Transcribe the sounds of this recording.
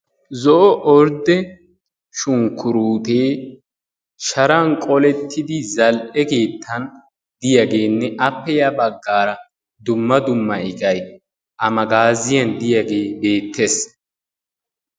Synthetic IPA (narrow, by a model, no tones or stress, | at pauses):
zɔʔɔʔɔɾd̪ɛ | ʃʊŋkːʊɾuːt̪eː | ʃɐɾɐnkʼɔlɛt̪ʰːɪd̪ɪzɐlʔɛke̞ːt̪ʰːɐn | d̪̥ɪjɐɡe̞ːnːɛʔɐpːɛjɐbɐɡːaːɾɐ | d̪ʊmːɐd̪ʊmːɐɪɡɐj | ʔɐmɐɡaːzɪjɐnd̪ɪjɐɡe̞ːbe̞ːt̪ːes